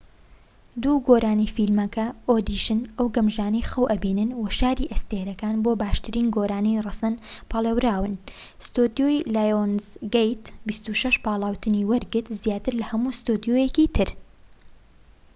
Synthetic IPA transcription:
d̪uːɡoːɾʔaːniːfilmɐkɐoːd̪iʃɨnɐwɡɐmʒaːnɐjxɐwʔɐbiːnɨnwɐʃaːɾiʔɐst̪eːɾɐkaːnboːbaːʃt̪ɨɾiːnɡoːɾaːnijrɨsɐnpʰɑlˠewɾaːwɨn | st̪ud̪jojlaːjonzɡejt̪bist̪uʃɐʃpɑːlˠaːwt̪ɨniwɐɾɡɨt̪zjaːt̪ɨɾlɐhɐmuːst̪ud̪ijojɛkiːt̪ʰɨɾ

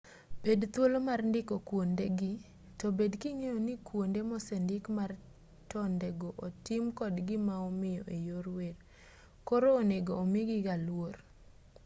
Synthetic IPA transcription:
b̥edt̪wolomarndɪkɔkwondeɡɪ | tɔbedkiŋejɔnɪkwondemɔsɛndɪkmar | tɔndeɡoʔotɪmkɔdɡɪmaɔmɪjɔʔejoɾwer | kɔɾoːneɡoːmɪɡɪɡalwor

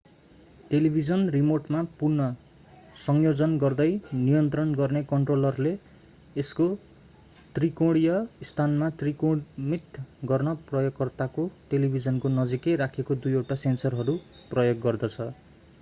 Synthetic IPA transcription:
ʈelibʱid͡zʌnrimoʈmapurnʌ | sʌŋjod͡zʌnɡʌrd̪ʌjnijʌnt̪rʌnɡʌrnekʌɳʈrolʌrleː | sko | t̪rikoɽijʌst̪ʰanmat̪rikomit̪ɡʌrnʌprʌjoɡkːʌrt̪akoʈelibʱid͡zʌnkonʌd͡zikeɾakʰekod̪ujewʈasensʌrɦʌɾu | prʌjoɡːʌrd̪ʌt͡sʰʌ

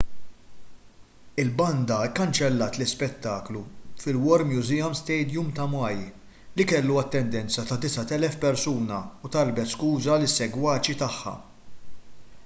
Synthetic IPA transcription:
ɪlbɐnd̪ɐkːɐnt͡ʃɛlːɐːt̪lɪspɛt̪ːɐːklufɪlwɔɾmjuzɪjɐmst̪ɛjd̪jumt̪ɐmɐj | likɛlːuɐt̪ːɛnd̪ɛnt͡sɐt̪ɐd̪ɪsɐt̪ɛlɛfpɛɾsuːnɐut̪ɐlbɛt̪skuːzɐlɪsːɛɡwɐːt͡ʃit̪ɐħːɐ̰

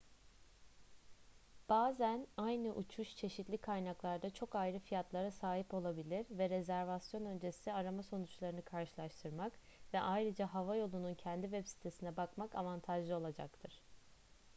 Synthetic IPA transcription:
b̥aːzænajnɯʔut͡ʃʰuʃt͡ʃʰe̞ʃit̪lʲikʰajnaklˠaɾd̪at͡ʃʰo̞kajɾɯfijat̪lˠaɾasaːɦipo̞lˠabilʲiɾvɛɾezæɾvasjo̞nø̞nd͡ʒe̞siaɾamaso̞nut͡ʃlˠaɾɯnɯkʰaɾʃɯlˠaʃt̪ʰɯɾmakvɛʔajɾɯd͡ʒaɦavajo̞lˠununcʰɛnd̪ivɛpsi̥t̪ʰe̞sinɛbakmakavant̪ʰaʒɯo̞lˠad͡ʒa̰kt̪ʰɯɾ̥

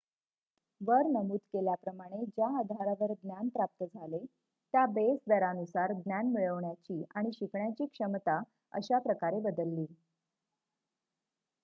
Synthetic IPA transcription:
ʋəɾnəmuːt̪keljapɾəmaɽ̃ed͡ʑaəd̪ʱaɾaʋəɾɡ̪njanpɾap̚t̪əd͡zʱale | t̪jabesd̪əɾanusaɾd̪njanmiɭəʋɳjat͡ɕiːaɽ̃iɕikʰɳjat͡ɕiːkʂəmt̪a | ə̰ɕapɾəkaɾebəd̪əlːiː

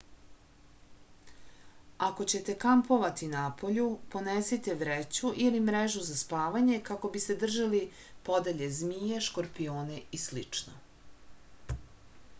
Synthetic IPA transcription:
ako̞t͡ɕe̞t̪e̞kampo̞ʋat̪inapʰo̞ʎupo̞neset̪eʋɾet͡ɕuʔilimɾeʒuzaspaːʋaɲe̞kako̞bise̞d̪r̩ʒali | po̞d̪eʎezmije̞ʃko̞ɾpijo̞ːne̞islḭt͡ʂno̰

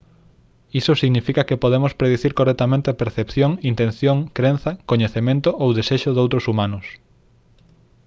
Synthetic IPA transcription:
isosiɣnifikɐkepoðemospɾeðeθiɾkorɛk̚t̪amẽnt̪epeɾθepθjoŋint̪ẽn̟θjoŋkɾen̟θɐkoɲeθemẽnt̪oʔowðeseʃʊðowt̪ɾosumanʊs

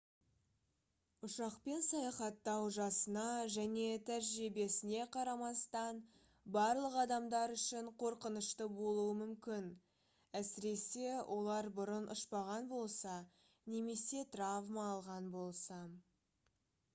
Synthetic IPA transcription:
ʊʃɑqpe̞nsɑjɑχɑt̪ːɑwʒɑsənɑʒæne̞t̪ʰæɾʒibe̞sɪne̞qʰɑɾɑmɑst̪ɑn | bɑɾlˠəqɑd̪ɑmd̪ɑɾʏʃɪɴqʰo̞ɾqənəʃt̪əbo̞lˠuəmʏmkʲɪn | æsɪɾe̞se̞wʔo̞lˠɑɾbʊɾənʊʃpɑʁɑnbo̞lˠsɑ | ne̞me̞se̞t̪ravmɑːlˠʁɑnbo̞lˠsɑ

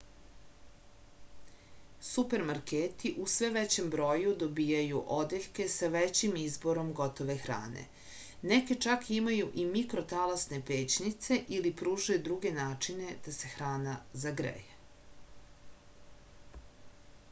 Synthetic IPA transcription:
supe̞ɾmaɾkeːt̪iʔusʋe̞ʋet͡ɕe̞mbɾo̞jud̪o̞biːjajuʔod̪eʎke̞saʋet͡ɕimizbo̞ɾo̞mɡo̞t̪o̞ʋe̞xɾa̰ːnḛ | neke̞t͡ʃakimajuʔimikɾo̞t̪alasne̞pe̞ːt͡ɕnit̪se̞ʔilipɾuːʒujud̪ɾuɡe̞naːt͡ʂine̞d̪̥ase̞xɾaːnazaɡɾḛje

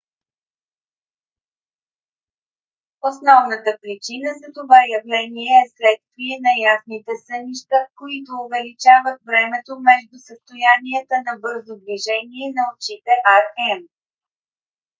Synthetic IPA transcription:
osnɔvnət̪əpɾit͡ʃinəzɐt̪ovajɐvlɛniɛːslɛt̪st̪viɛnɐjasnit̪ɛsəniʃt̪əkoit̪oːvɛlit͡ʃavət̪vɾɛmɛt̪omɛʒd̪ʊsəst̪ojaniɛt̪ənɐbɤɾzod̪viʒɛniɛnɐot͡ʃit̪ɛʔaɾɛm

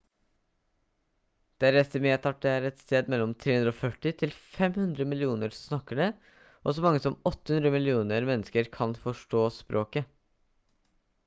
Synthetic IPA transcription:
d̪̥ɛæɾɛst̪əmeːt̪ʰɑʈ̚ɖɛæːɾɛt̪st̪eːd̪mɛlːɔmt̪ʰɾeːhʉnd̪ɾoːfœʈːɪt̪ʰɪlfɛmhʉnd̪ɾəmɪlɪuːnəɾsnɑkːəɖɛ | ʔɔsɔmɑŋːəsɔmɔt̪ːə̥hʉnd̪ɾəmɪlɪuːnəɾmɛnːəskəɾkʰɑnfɔʂʈoːspɾʔoːkə

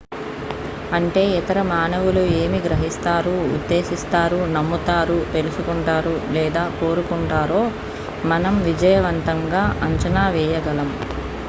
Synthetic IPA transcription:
ɐɳʈe̞ːit̪ɐɾɐmaːnɐʋulue̞ːmiɡɾɐɦist̪aːɾuːd̪ːe̞ːʃist̪aːɾunɐmːut̪aːɾut̪elusukuɳʈaːɾulɛːd̪aːko̞ːɾukuɳʈaːɾo̞ː | mɐnɐmʋid͡ʒɐjɐʋɐnt̪ɐŋɡaːʔɐɲt͡ʃɐnaːʋɛːjɐɡɐlɐm

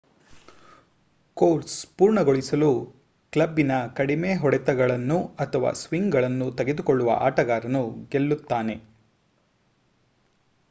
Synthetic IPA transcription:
koːɾspuːɾɳɐɡoɭisɐlu | klɐbːinɐkɐɽime̞ːɦɔɽɛt̪ɐɡɐɭɐnːuɐt̪ʰɐʋa̰ːsʋiŋɡɡɐɭɐnːut̪ɐɡe̞d̪ukɔɭːuʋɐ̰ʔa̰ːʈɐɡaːɾɐnuɡe̞lːut̪ːaːne̞

